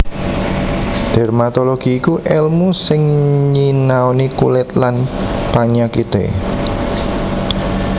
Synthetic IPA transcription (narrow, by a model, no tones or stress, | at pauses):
d̪̥ɛ̤rmat̪oloɡ̥iːkuʔɛlmusɪŋɲinaonikṵlɪt̪lanpaɲakit̪ḛ